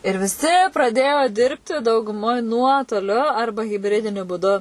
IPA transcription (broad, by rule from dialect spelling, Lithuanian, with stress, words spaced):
ɪr ʋʲɪˈsʲɪ prɐˈdʲeːjoː ˈdʲɪrʲpʲtʲɪ dɐʊɡʊˈmoːj ˈnuɔtoːlʲʊ ˈɐrbɐ ɣʲɪbʲˈrʲɪdʲɪnʲʊ buːˈdʊ